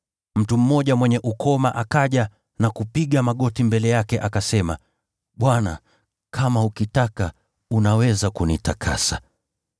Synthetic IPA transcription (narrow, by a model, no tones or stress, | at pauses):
m̩tum̩mɔʄamwɛɲɛʔukʰɔmaʔakaʄa | nakupiɠamaɠɔtimbɛlɛjakɛʔakasɛma | ɓwana̰ | kʰamaukitaka | unawɛzakunitakʰa̰sa